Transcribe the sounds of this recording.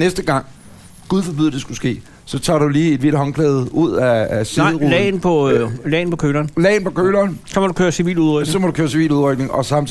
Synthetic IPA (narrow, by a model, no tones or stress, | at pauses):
nesd̥əɡ̥ɑ̈ŋ̰ | ɡ̥uðˠfɒb̥uðˠd̥e̝sɡ̥usɡ̥e̝̰ː | sɒ̽t͡sʰɑ̰̈ːduliːe̝d̥ʋiɾəɦɒ̽ŋpʰlɛːð̞ˠuð̞̰ˠææseɪ̰ʁulɛ̰npʰɒ̽lɛ̰ɪn̩pʰɒ̽kʰøːlɐːnlɛ̰ːɪnpʰɒ̽kʰøːlɐːnsɒmɒdukʰøːɐsiʋḭːluðˠʁœɡsɒ̽mɒ̽ɾukʰøːɐsiʋḭːluðˠʁœɡ̥̚ne̝ŋɒ̽sɑ̈mt͡s